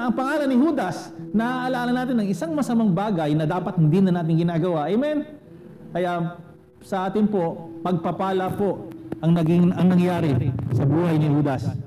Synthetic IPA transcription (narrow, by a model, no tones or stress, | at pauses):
ʔɐŋpɐŋaːlɐnɪhuːd̪ɐsnɐaʔɐlaːlɐnaːt̪ɪnɐŋɪsaŋmɐsɐmaŋbaːɡɐjnɐd̪aːpɐt̪̚hɪnd̪inɐnaːt̪̬ɪŋɡɪnaːɡɐwaʔɛmɛn | kɐja | sɐʔaːt̪ɪnpo̞ʔmɐɡ̚pɐpaːlɐpo̞ʔʔɐŋnɐɡɪŋɐŋnɐŋjaːɾɪsɐbuːhɐjnɪhuːd̪ɐs